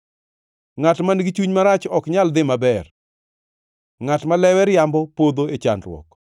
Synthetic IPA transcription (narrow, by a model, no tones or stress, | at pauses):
ŋatmanɡit͡ʃuɲmaɾat͡ʃɔkɲald̪ɪmabɛr | ŋatmalɛwɛɾjambɔpod̪oet͡ʃa̰ndɾwɔ̰k